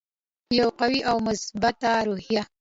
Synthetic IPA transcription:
jawqawiʔawmʊsbat̪aɾohija

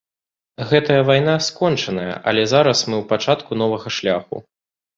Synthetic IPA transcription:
ɣɛt̪ɐjɐvajn̪askɔnt͡ʂɐnɐjɐ̰ʔɐ̰lʲɛzaɾɐsmɨwpat͡ʂat̪kun̪ɔvɐɣɐʂlʲaxṵ

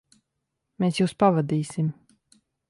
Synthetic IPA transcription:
meːsjuːspavad̪iːsʲim

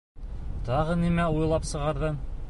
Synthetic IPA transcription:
t̪ɑʁɤnimæujlˠɑpsɤ̆ʁɑɾðɤn

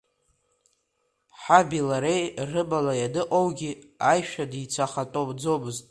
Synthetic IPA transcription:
ħabilaɾejrɨbalajadɨqʼowɡʲiajʃᶣadit͡sʰaχatʼobd͡zo̞mɨztʼ

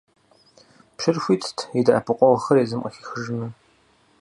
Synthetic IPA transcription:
pʃɪrxʷiːtʰtʰidɐʔɐpʰɨqʷʼɔʁɐxɐreːzɨmqʼɐ̰xiːxɨʒmɨ

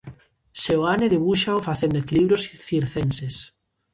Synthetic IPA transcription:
sewaneðeβuʃaofaθend̪ʊekiliβɾjosθiɾθenses

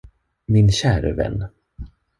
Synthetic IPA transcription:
mɪnɕæːɾə̰vɛ̰nː

